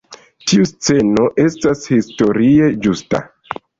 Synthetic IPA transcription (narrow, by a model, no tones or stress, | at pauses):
tʰiust͡se̞no̞ʔe̞stashisto̞ɾie̞d͡ʒusta̰